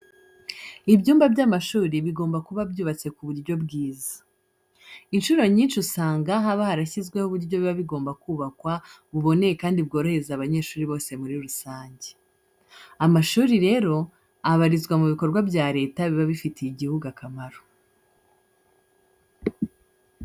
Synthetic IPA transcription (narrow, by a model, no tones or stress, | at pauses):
ibɟuːmbabɟaːmaʃuːɾiβiɡo̞ːmbakuβabjuːβat͡se̞kuβuɾɟo̞bɡiːzḁ | inʃuɾoɲiːnʃusaːŋɡaɦaβahaɾaçizɡwe̞huβuɾɟo̞βiβaβiɡo̞ːmbakuːβakwaβuβo̞ne̞jekaːndibɡo̞ɾo̞he̞zaβaɲe̞ːʃuːɾiβo̞ːse̞muɾiɾusaːɲɟe | amaʃuːɾiɾe̞ːɾo̞ | aβaɾizɡwamuβiko̞ɾɡwabɟaːɾe̞ːtaβiβaβifiteiɟihuɡakamaɾo̥